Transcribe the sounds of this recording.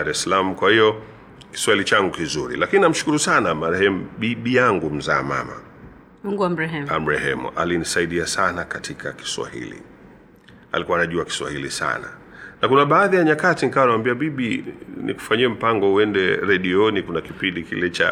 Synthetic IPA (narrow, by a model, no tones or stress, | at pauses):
aɾɛsalam̩kwahijɔ | ki̥swailit͡ʃaŋɡukizuɾḭlakininam̩ʃu̥kuɾusanamaɾɛhɛmuɓiɓijaŋɡum̩za̰ːma̰ma̰ | m̩ɡuam̩ɾɛɦɛmam̩ɾɛhɛ̰mṵʔa̰linisaiɗiasanakatʰikʰa̰ki̥swa̰hḭlḭ | a̰likuwanaʄuaki̥swa̰hilḭsa̰na̰ | nakunaɓaːðijaɲakatinikawanawambiaɓiɓinḭku̥faɲiɛm̩paŋɡɔuɛndɛɾɛɗiɔnikunakipindikḭlɛt͡ʃa̰